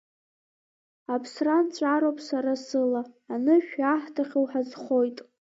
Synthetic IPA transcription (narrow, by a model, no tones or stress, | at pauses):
apʰsrant͡ɕʷʼaɾowpʼsaɾasɨlaːnɨʃᶣaħtʰaχʲowħazχo̞jtʼ